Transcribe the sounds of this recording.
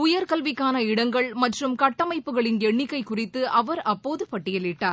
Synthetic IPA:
ʊjɐɾkɐlʋɪkːaːnɐɪɽɐŋɡɐɭmɐʈrɯmkɐʈːɐmɐɪpːɯɣɐɭɪnɛɳːɪkːɐɪkʊrɪt̪ːɯɐʋɐɾɐpːoːðɯpɐʈːɪjɐlɪʈːaːɾ

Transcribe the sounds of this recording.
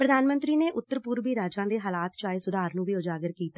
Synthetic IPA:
pɾəd̪aːnmə̃nt̪ɾiːneːʔʊt̪ːəɾpʊːɾʋiːɾaːd͡ʒãːd̪eːɦaːlaːt̪t͡ʃaːeːsʊd̪aːɾnũːʋiːod͡ʒaːɡəɾkiːt̪aː

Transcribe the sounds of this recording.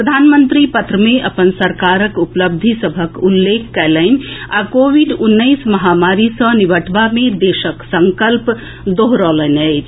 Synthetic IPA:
pɾəd̪ʱanmənt̪ɾipət̪ɾəmeʔəpənsəɾkaɾəkupləb̚d̪ʱisəbʱəkulːekʰːɛləɪn̆akobiɖunːəɪsməɦamaɾisə̃nibəʈʰbamed̪esəksəŋkəlp | d̪oɦɾɔlənəɪt͡ʃʰ

